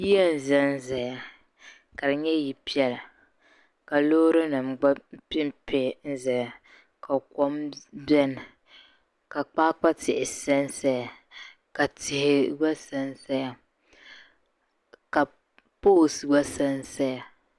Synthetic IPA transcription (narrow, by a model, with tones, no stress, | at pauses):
ji˦ɛ˦n̩˨zɛ˦n̩˦za˨ja˨ | ka˨ɾɨ˨ɲɛ˦ji˨pi˦ɛ˦l | ka˨loː˦ɾɨ˦nɨ˨mɡ͡ba˦pɪ˦m˦pe˦n̩˦zɛ˨ja˨ | ka˨kɔ˦mbɛ˦nɨ˨ | ka˨k͡paː˦k͡pa˦tɪ˨ʔɪ˨sɛ˦n˦sa˦ja˨ | ka˨tʰɪ˨hɪ˨ɡ͡ba˦sa˦n˦sa˦ja˨ | ka˨ | po˦˨sɨ˨ɡ͡ba˦sa˦n˦sa˦ja˨